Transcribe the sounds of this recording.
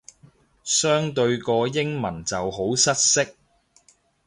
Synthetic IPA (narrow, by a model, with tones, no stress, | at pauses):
sœː˥ŋt̪ɵ˧ɥkɔː˧jɪ˥ŋmɐ˨˩nt͡sɐ˨wɦo˨˥wsɐ˥t̚sɪ˥k̚